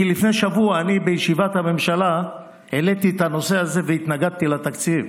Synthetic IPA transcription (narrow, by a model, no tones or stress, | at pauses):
kilifnejʃavuaːnibejeʃivat̪hame̞mʃala | elet̪it̪ano̞se̞aze̞veit̪naɡad̪̚t̪ilat̪akt͡siv